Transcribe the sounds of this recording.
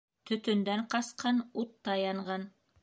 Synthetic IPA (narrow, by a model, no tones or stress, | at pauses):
t̪ɵ̆t̪ɵ̆nd̪æɴqɑsqʰɑnut̪ːɑjɑɴʁɑn